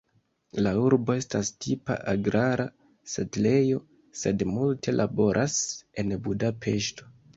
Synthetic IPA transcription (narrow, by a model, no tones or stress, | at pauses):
lauɾbo̞e̞stastʰipa̰ʔaɡɾaɾa | setle̞jo̞ | se̞dmultʰe̞lʔabo̞ɾʔase̞nbudapʰe̞ʃto̞̥